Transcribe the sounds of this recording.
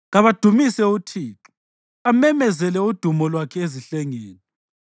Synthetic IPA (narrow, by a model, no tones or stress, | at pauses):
ɣaβad̥ʱumisɛutʰiːǁu | amɛmɛzɛlɛud̥ʱumɔlwakʰɛeziɬɛŋeːni